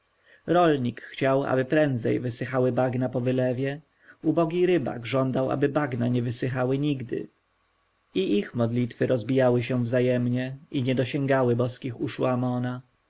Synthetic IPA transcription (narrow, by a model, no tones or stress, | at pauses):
ɾɔlɲikxt͡ɕawa̰bɘpɾɛnd̪zɛ̰jvɘsɘxawɘbaɡnapɔvɘlɛvʲjɛ | ubɔɡʲiɾɘba̰ɡʐɔnd̪awa̰bɘbaɡnaɲɛvɘsɘxawɘɲiɡd̪ɘ̰ | iʔixmɔd̪lʲit̪fɘɾɔzbʲijawɘɕɛ̃vzajɛmɲɛiɲɛd̪ɔɕɛ̃ŋɡawɘbɔskʲixuʂuamɔna